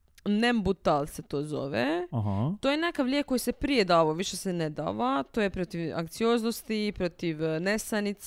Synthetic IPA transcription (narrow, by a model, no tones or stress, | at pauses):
nembut̪alˠset̪oːzo̰ʋeɦt̪ojenekaʋlʲjek̚kːo̞jisepɾijed̪aːʋaʋiʃesened̪a̰ːʋat̪oːjepɾo̞t̪iʋa̰ŋkt̪sijo̞ːznost̪ipɾo̞t̪iʋnest̪anit̪s